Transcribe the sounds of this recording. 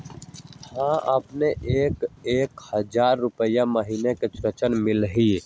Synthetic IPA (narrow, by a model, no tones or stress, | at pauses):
hãʔəpneʔeːkeːkhəd͡ʒaːɾːʊpəjaməɦineket͡ʃɾət͡ʃənmɪlɦi